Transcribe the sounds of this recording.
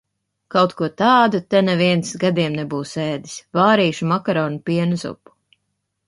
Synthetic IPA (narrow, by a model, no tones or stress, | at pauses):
kawt̪kuɔt̪aːd̪ut̪ɛnɛviɛnsɡad̪iɛmnɛbuːsɛːd̪i̥svaːɾiːʃumakaɾɔːnupiɛnuzṵpu̥